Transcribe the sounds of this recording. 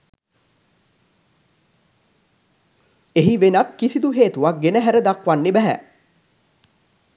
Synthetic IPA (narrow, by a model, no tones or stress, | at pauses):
eɦiʋenat̪kisid̪uɦeːt̪uʋaɡenəɦæɾəd̪akʋanːebæɦæ̰